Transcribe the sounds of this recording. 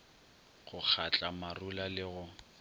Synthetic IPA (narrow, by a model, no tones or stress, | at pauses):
ɣʊk͡xʰat͡ɬʼamarulalɪɣʊ